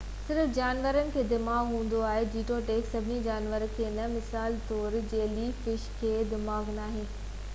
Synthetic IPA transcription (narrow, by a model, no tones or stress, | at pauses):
sɪɾfd͡ʑaːnʋəɾənɪ̆kʰeːd̪ɪmaːɡɦũːn̆d̪oaːɦed͡ʑiːʈoʈeːksɐbʱɪnid͡ʑaːnʋəɾkʰeːnɐmɪsaːlt̪ɔːɾd͡ʑeːlifɪʃkʰeːd̪ɪmaːɡnaːɦɪn